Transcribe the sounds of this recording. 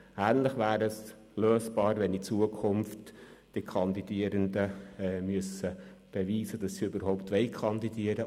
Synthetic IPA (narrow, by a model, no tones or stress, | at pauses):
æːnlɪχʋæːɾəs | løːsb̥ɑːɾvɛnit͡suəkʰʊmftː | ikʰɑnd̪idiəɾəndəɛmyəsəb̥eviːsədɑsːiøbəɾɦɔʊpt̪ʋɛɪkʰɑndid̥iəɾə